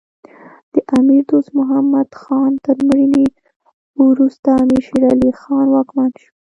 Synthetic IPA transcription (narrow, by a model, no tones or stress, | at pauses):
d̪̥əʔamiɾd̪ost̪mʊɦamad̪̥xɑnt̪əɾmɾini | wɾust̪aːmiɾʃiɾɑlixɑnwɑkmanʃu̥